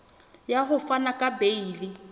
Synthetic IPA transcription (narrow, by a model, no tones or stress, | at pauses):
jaɣʊfanakʼabeilɪ